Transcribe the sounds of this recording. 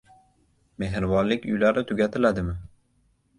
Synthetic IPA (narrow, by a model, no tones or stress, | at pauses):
me̞ɦɪɾvɒnlːɪkʲʊ̰jlaɾɪt̪ʰʊɡʲat̪ʰɪlad̪ɪmɪ